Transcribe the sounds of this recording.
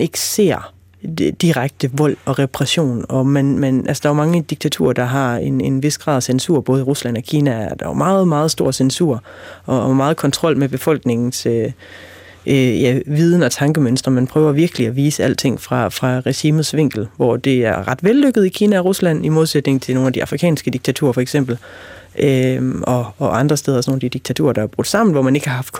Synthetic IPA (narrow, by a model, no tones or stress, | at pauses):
e̝ɡ̥ə̥se̝̰ɐ̰ | d̥iʁaɡ̥̚d̥əʋɒ̽l̰ɒ̽ʁɛpʰʁɛɕo̝̰ːnɒ̽mænmænʔælsə̥d̥ɑæːɐmɑ̈ŋəd̥iɡ̥̚t͡sʰæt͡sʰṵɐ̰d̥ɑ̈ɦɑ̈e̝ne̝nʋe̝sɡ̥ʁɑ̰̈ðˠsensṵɐ̰b̥ɔ̽ːð̞̩ˠʁuslæn̰ɒ̽kʰiːnææɐd̥ɑmɑ̈ːð̩ˠmɑ̈ːð̞̩ˠsd̥o̝ɐ̰sensuɐ̰ | ʔɒ̽mɑ̈ːð̞̩ˠkʰɒ̽nt͡sʰʁɒ̽l̰meb̥e̝fɒ̽l̰ɡ̥ne̝ŋn̩sø | ʔøjæʋiːð̞ˠn̩ɒ̽t͡sʰɑ̈ŋɡ̥əmønsd̥ʁɐmænpʰʁœːʊɐʋiɐɡ̥əliæʋiːsəæl̰t͡sʰe̝ŋ̰fʁɑ̈fʁɑ̈ʁɛɕiːmð̩ˠsʋe̝ŋ̰ɡ̥l̩ʋɒd̥e̝æɐʁɑ̈d̥ʋelːøɡ̥əð̞̩ˠikʰiːnæɒ̽ʁuslæn̰imoðˠsed̥ne̝ŋnt͡sʰe̝no̝ːnæd̥iɑ̈fʁikʰɛ̰ːnsɡ̥əd̥iɡ̥̚t͡sʰæt͡sʰṵːɐfɒ̽eɡ̥sem̰b̥l̩ʔøʔɒ̽ːʔɑ̈nd̥ʁɐsd̥eːð̞ˠɐsɒnoːn̩ædid̥iɡ̚t͡sʰæt͡sʰṵɐd̥ɑ̈æɐb̥ʁud̥sɑ̈m̰n̩ʋɒmæne̝ɡ̥əhɑ̈hɑ̈fd̥kʰ